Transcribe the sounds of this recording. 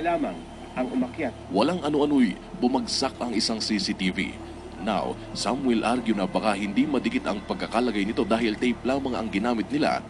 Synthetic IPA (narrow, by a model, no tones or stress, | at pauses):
laːmɐŋ | ʔɐŋʊmɐkjat̪̚wɐlaŋʔɐnoʔɐno̞j | bʊmɐɡsak̚ɐŋʔɪsaŋsisit̪ivḭ | na̰w | samwɛlʔaɾɡjʊnɐbɐkahɪnd̪imɐd̪ɪɡɪt̪ɐŋpɐɡ̚kːɐkalɐɡajnɪt̪o̞d̪aːɦhɪlt̪ɛjplaːmɐŋɐ̰ŋɡɪnaːmɪt̪̚nɪla̰